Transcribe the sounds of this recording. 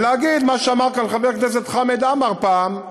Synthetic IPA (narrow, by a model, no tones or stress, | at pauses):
leaɡid̪maʃeamaʁkanlχaveʁknes̬et̪χamed̪amaʁpaːm